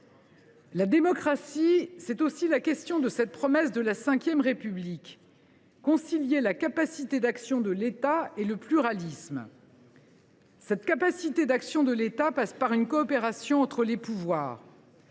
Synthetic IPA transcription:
lad̪emɔkχasisɛt̪osilakʲɛst̪jɔ̃d̪əsɛt̪̚pχɔmɛsd̪əlasɛ̃kʲjɛmʁepyblikː | ɔ̃siljelakapasit̪ed̪aksjɔ̃d̪əlet̪aeləplyʁalism | sɛt̪kapasit̪ed̪aksjɔ̃d̪əlet̪apaspaʁynkɔːpeʁasjɔ̃ɑ̃t̪χəlepuvwa̰ːʁ

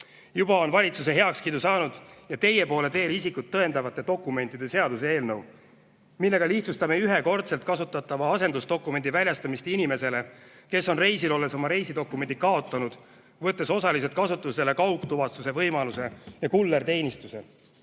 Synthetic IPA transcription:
jub̥ɑo̞nvɑlʲit̪sus̬e̞ɦe̞ɑkskid̪usɑːnud̪̥jɑt̪e̞jːe̞po̞ːle̞t̪e̞ːlisikut̪ːɤe̞nd̪ɑvɑt̪ːˑe̞t̪o̞kːˑume̞nt̪ːˑid̪̥e̞se̞ɑd̪us̬ee̞ːlnɤw | milːe̞ɡ̥ɑliht̪sust̪ɑme̞yɦeko̞rt̪se̞lt̪̚kɑsut̪ːˑɑt̪ːˑɑvɑɑse̞nd̪ust̪o̞kːˑume̞nd̪ivælʲjɑst̪ɑmist̪inʲime̞se̞le̞ke̞sːo̞nre̞jsilo̞lːe̞so̞mɑɾe̞jsid̪o̞kːˑume̞nd̪ikɑo̞t̪ːˑɑnud̪̥ | vɤt̪ːˑe̞so̞sɑlis̬et̪̚kɑsut̪ːˑuse̞lekɑwkt̪uvɑst̪use̞vɤjmɑluse̞jɑkulːert̪e̞ːnʲist̪use̞

